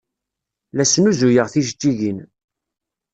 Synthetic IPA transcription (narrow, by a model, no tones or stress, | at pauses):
læsnuzujəʁθiʒt̪ːiʝin